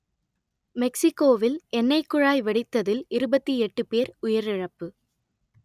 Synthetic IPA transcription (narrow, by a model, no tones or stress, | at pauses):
mɛksɪkːoːʋɪlʔɛnːɐɪkːʊɻaːjʋɛɽɪt̪ːɐðɪlɪɾɯbɐt̪ːiɛʈːɯpeːɾʊjɐɾɪɻɐpːɯ